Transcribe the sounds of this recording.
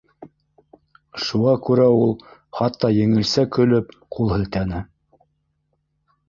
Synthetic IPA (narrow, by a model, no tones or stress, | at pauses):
ʃuʁɑkʉɾæulˠχɑt̪ːɑjɘ̆ŋɘ̆lsækɵ̆lɵp | qʰulˠhɘ̆lt̪ænɘ